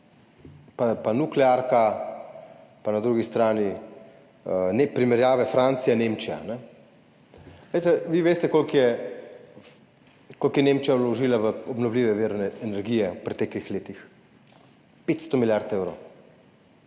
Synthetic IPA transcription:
papanuklɛaɾka | panad̪ɾuɡist̪ɾaːni | nepɾimɛɾjaːʋɛfɾaːnt̪sijanemt͡ʃija̰nɛ | lejt̪ɛʋiʋeːst̪ɛkolkjɛ | kolkjɛneːmt͡ʃijalɔʒiːlaʋəɔbnɔwliːʋɛʋiɾnɛɛnɛɾɡiːjɛupɾɛt̪ɛklixleːt̪ix | pet̪st̪ɔmiljaɾt̪ewɾow

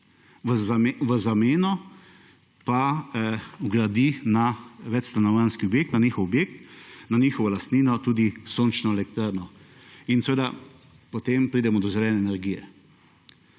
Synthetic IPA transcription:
ʋzʋəzameːnɔ | pa | uɡɾad̪inaʋɛt͡ʃst̪anɔʋanskiɔbjek̚t̪nanixɔwɔbjeːk̚t̪naniːxɔʋɔlast̪niːnɔt̪uːd̪isoːnt͡ʃnɔɛlɛk̚t̪ɾaɾnɔ | insɛʋeːd̪a | pɔt̪empɾiːd̪ɛmɔd̪ɔzɾɛnɛːnɛɾɡiːjɛ

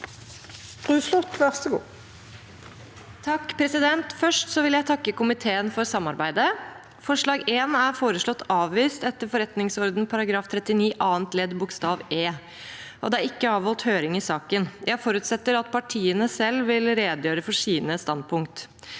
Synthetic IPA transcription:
bʁʉːslʊt̪ʋœʁst̪əɡṵː | t̪ʰɑkːpʰɾɛsɪd̪ɛnt̪fœʂʈsɔʋɪljæɪt̪ʰɑkːəkʊmɪt̪ʰeːənfɔɾsɑmːɑɾbæɪd̪ə | fɔʂɭɑːɡeːnæɾfoːɾəʂɭɔt̪ʰːɑːʋʋiːst̪ɛt̪ːəɾfɔɾɛt̪nɪŋsɔɾd̪n̩pʰɑɾɑɡɾɑːft̪ʰɾɛt̪ːɪniːʔɑːənt̪leːd̪bʊkst̪ɑːʋeː | ʔɔ̰d̪ɛæɾɪkːəɑːʋhɔlt̪høːɾɪŋɪsɑːkənjʔæɪfɔɾʉt̪sɛt̪ːəɾɑt̪̚pʰɑʈʰiːənəsɛlʋɪlɾeːd̪jøːɾəfɔʂiːnəst̪ɑnd̪̚pʰʊŋkt̪

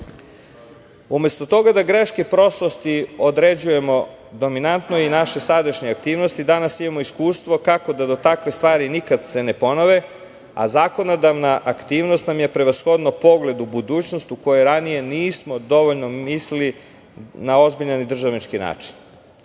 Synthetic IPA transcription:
ume̞st̪ot̪o̞ɡad̪aɡɾeʃkepɾo̞slost̪iod̪ɾe̞d͡ʑuje̞mo̞ | d̪o̞minant̪noinaʃe̞sad̪aʃɲeak̚t̪iːʋnost̪id̪anasimamo̞iskuːst̪ʋo̞kako̞d̪ad̪o̞t̪akʋe̞st̪ʋaːɾinikad̪se̞ne̞po̞noʋe | a̰zaːko̞nod̪aʋnaʔːkt̪iːʋnost̪namje̞pɾe̞ʋasxo̞d̪nopo̞ɡle̞d̪ubud̪uːt͡ɕno̞st̪uko̞jeɾanije̞niːsmo̞d̪o̞ʋoʎno̞mislili | nao̞zbiʎanid̪r̩ʒaʋnit͡ʃkina̰ːt͡ʃi̥n

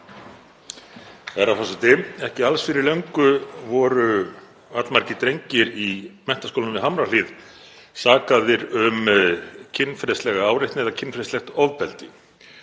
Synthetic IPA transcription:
ɛɾawɦɔsɪt̪ɪɛhcɪalsfɪɾɪɾleɥŋkʏvɔɾʏ | vat̪lmaɾ̥cɪt̪ɾejɲcɪɾimɛnt̪askʰowlnmɪɦamɾalið | saːkaðɪɾʏmcʰɪnːfɾɛst̪lɛɣaaːwɾɪht̪nɪɛðacʰɪnfɾɛst̪lɛxt̪ɔvpɛlt̪ɪ

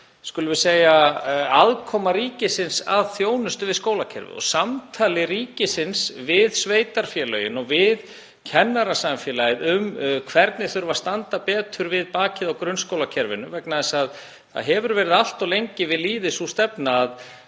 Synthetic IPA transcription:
skʏlʏvʏseːjaaðkʰɔmaɾiːcɪsɪnsa̰ðθjoːwnʏst̪ʏvɪðskoːwlacʰɛ̰ɾvɪ̰ɔ̰ɣsamt̪ʰaːlɪɾiːcɪsɪnsvɪðsveːjt̪aɾ̥fjɛːlœːɥjɪnɔvɪð | cʰɛnːaɾasamfjɛlajɪðʏmkʰv̥ɛɾt̪nɪθʏɾvast̪ant̪apɛːt̪ʰʏɾvɪðpaːcɪðawkɾʏnskowlacʰɛɾvɪnʏvɛknaðɛsað | θa̰ðɦɛvʏɾvɛːɾɪðal̥t̪ɔlejɲcɪvɪðliːðɪsust̪ɛpnaːð

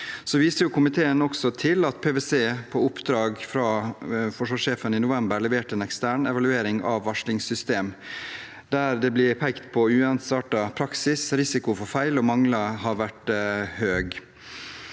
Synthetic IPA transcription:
sɔʋiːsəɾjʊkʰʊmɪt̪ʰeːənɔksɔt̪ʰɪlɑt̪pʰeːʋeseːpʰɔʊpd̪ɾɑːɡfɾɑfɔʂʋɑːʂeːfəninʊʋɛmbəɾɭɛʋeːʈəɛːnɛkst̪æːɳɛʋɑlʉeːɾɪŋɑ̰ʋːɑʂlɪŋsʏst̪eːm | d̪æɾd̪ɛblɪɾpʰɛkt̪pʰɔʉːɛnt̪sɑːʈɑpʰɾɑksɪsɾɪsɪkʊfɔɾfæɪlɔmɑŋlɑɦɑɾʋæʈhøːɡ

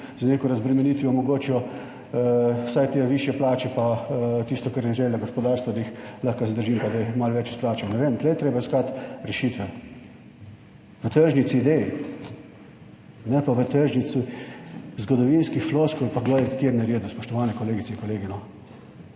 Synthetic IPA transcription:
zneːkɔɾazbɾɛmɛniːt̪ʋiɔmɔɡoːt͡ʃiɔ | wsajt̪eʋiːʃjɛplaːt͡ʃɛpat̪ist̪ɔkaɾjiɣʒɛllaɡospɔd̪aːɾst̪ʋad̪aixlaxkasɛd̪əɾʒiːmpad̪ajmalʋɛt͡ʃisplaːt͡ʃɐwnɛʋeːmt̪lɛjt̪ɾeːbaiskat̪ɾɛʃit̪ʋɛ | ʋət̪əɾʒnisid̪eji | nɛpaʋət̪əɾʒnisi | zɡɔd̪ɔʋinskixfloːskɔlpaɡɔjkjeɾnɛɾeːd̪uspɔʃt̪ɔʋaːnɛkɔleːɡitt͡s̪ɛiŋkɔleːɡinɔ

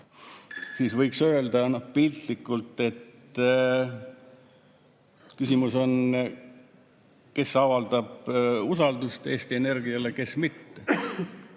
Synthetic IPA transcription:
siːsvɤjksø̞eld̪ɑnohpilt̪likːˑult̪ːˑe̞t̪ː | kysimuso̞n | ke̞sɑvɑld̪̥ɑb̥usɑld̪̥ust̪e̞ːst̪ie̞ne̞rɡiɑle̞ke̞smit̪ːe

